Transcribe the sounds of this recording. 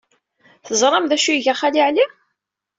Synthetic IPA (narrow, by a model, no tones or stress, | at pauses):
θəzˤɾˤɑmðæʃujəʝæχaliʕli